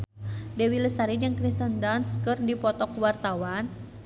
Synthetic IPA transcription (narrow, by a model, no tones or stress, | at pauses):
dɛwiləsaɾid͡ʒɨŋkɾist̪əndanskɨrdipɔt̪ɔkwart̪awan